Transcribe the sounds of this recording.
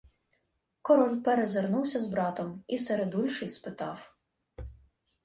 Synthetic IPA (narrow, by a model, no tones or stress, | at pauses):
kɔɾɔlʲpeɾezernuwsʲɐzbɾɑt̪ɔmiseɾed̪ulʲʃɪjʲspɪt̪ɑw